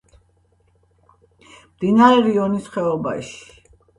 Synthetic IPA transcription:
md̪inaɾɛɾiɔnisχɛɔba̰ʃi̥

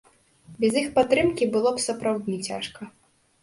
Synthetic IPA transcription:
bʲɛzjixpat̪ɾɨmkʲibɨlˠɔpsɐpɾawd̪ʲnʲit͡sʲa̰ʂkɐ

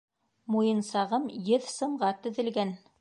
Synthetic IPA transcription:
mujɤ̆nsɑʁɤmjɘðsɤ̆ɴɢɑt̪ɵ̆ðɘ̆lɡæn

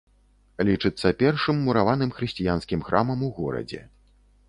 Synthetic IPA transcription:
lʲit͡ʂɨt̪sːɐpʲɛrʂɨmːuɾavanɨmxɾɨsʲt͡sʲijanskʲimxɾʔamɐmuɣɔɾɐ̰d͡zʲɛ̰

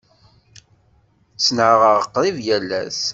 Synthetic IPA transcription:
t͡sːnəʁəʁəqːðˤivjælːæs

